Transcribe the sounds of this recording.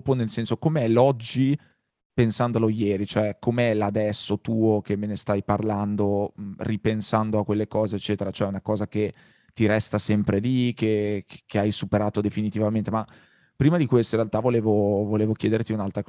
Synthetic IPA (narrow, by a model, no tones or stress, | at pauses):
ponelsɛnsokomeɛlɔd͡ʒːi | pensand̪olojɛːɾit͡ʃoɛkːomeɛlad̪ɛsːot̪uːok̟emːenest̪ajparland̪oripensand̪oakːwelːekɔːzeːt͡ʃːɛːt̪eɾat͡ʃoɛunakɔːzak̟e | t̪ːiɾɛst̪asɛmpɾelike̥keajsupeɾaːt̪od̪efinit̪ivament̪ema | pːɾiːmad̪ikwest̪oiɾrealt̪avoleːvovoleːvok̟jɛːd̪ert̪iunalt̪ɾak